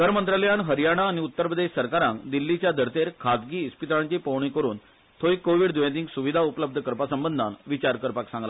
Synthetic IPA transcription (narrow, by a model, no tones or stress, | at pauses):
ɡʱəɾmənt̪ɾaləjaɳɦəɾijaɽ̃aːñiut̪ːəɾpɾəd̪eɕsəɾkaɾãŋkd̪ilːit͡ɕjad̪ʱəɾt̪eɾkʰat̪ɡiːspit̪ɾãɳt͡ɕipowɳ̃ikəɾuːn | t̪ʰojkːoʋiɽd̪ujãt̪ĩːŋksuʋid̪ʱaupləb̚d̪ʱəkəɾpasəmbənd̪ʱanʋit͡ɕaɾkəɾpaksãŋɡla